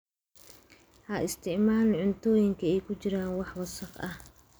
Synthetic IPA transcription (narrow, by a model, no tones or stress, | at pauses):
hɐʔɪst̪ʰɪʕmaːlʕʊnt̪ʰɔːjɪŋkʰɐɛjkʰʊt͡ʃɪɾaːnwɑħwɐsɐqɐh